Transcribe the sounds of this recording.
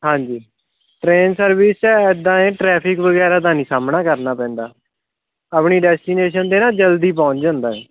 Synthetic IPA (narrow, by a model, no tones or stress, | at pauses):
ɦãːɲd͡ʒiː | ʈɾeːnsəɾʋɪːst͡ʃaɪd̪ãːẽːʈɾɛːpʰɪkʋəɡɛːɾaːt̪̬aːnĩːsaːmnaːkəɾnaːpɛ̃ːnd̪aː | aːpɳiːɖɛːsʈiːneːʃənd̪eːnãːd͡ʒəld̪iːpɔ̃ːt͡ʃd͡ʒãːnd̪aːɛː